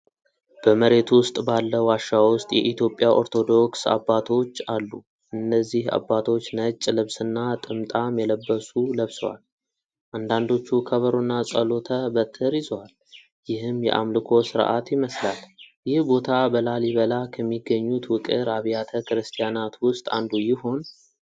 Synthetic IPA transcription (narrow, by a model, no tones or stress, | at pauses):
b̥əməɾe̞t̪wʊst̪ʼbalːəwaʃːawʊst̪ʼjɛʔit̪ʰjo̞pʼːjaʔoɾt̪ʰo̞d̪o̞ksa̰bːat̪ʰo̞t͡ʃːalːu | ʔɨnːəzːiha̰bːat̪ʰo̞t͡ʃːnət͡ʃʼːlɨβsɨnːat̪ʼɨmt̪ʼamjɛləbːəsuləβsowa̰l | ʔand̪and̪o̞t͡ʃːukʰəβəɾonːasʼəlo̞t̪ʰəbət̪ʰːəɾizwal | jɪhɨmjɛ̰ʔa̰mlɨkʰo̞sɨɾ̰ʔa̰t̪jɪməslaljɪhbo̞t̪ʰabəlaliβəlakʰəmːiɡːəɲːut̪wʊkʼɨɾaβjat̪ʰəkɨɾɨst̪ʰijanat̪wʊst̪ʼa̰nd̪ujɪho̞n